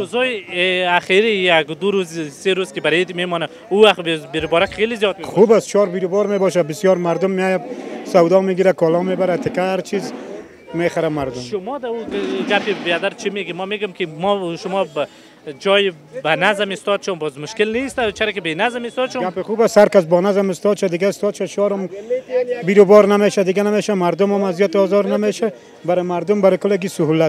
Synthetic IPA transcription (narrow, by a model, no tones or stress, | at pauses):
ɾʊzɔjaxeɾijaɡd̪ʊɾuzseɾuzkɪbaɾet̪memɔna | uwaxbbɪɾɪbɔɾakxelɪzjɔt̪̚mexubast͡ʃʰɔɾbiɾʊbɔɾmebɔʃabɪsjɔɾmaɾd̪ʊmːeajasawd̪ɔmeɡiɾakɔlɔmebaɾat̪ʰɪkaaɾt͡ʃʰiz | meχaɾamaɾd̪ʊmʃʊmɔd̪auɡapɪbead̪aɾt͡ʃʰimeɡimɔmeɡomkɪmɔʃʊmɔb | d͡ʒɔj | banazamɪst̪ɔd̪ʃɔnbɔzmʊʃkɪlnist̪at͡ʃʰaɾekɪbenazmɪst̪ɔd̪ʃɔɡapɪxuːbashaɾkas̬bɔnazamɪst̪ɔd̪ʃad̪ɪɡaɪst̪ɔd̪ʃaʃɔːɾɔm | biɾobɔːɾnameʃad̪ɪɡanameːʃamaɾd̪ʊmɔmazjɔt̪ɔːzɔɾnameʃa | baɾɪmaɾd̪ʊmbaɾɪkʊlaɡisʊɦulat̪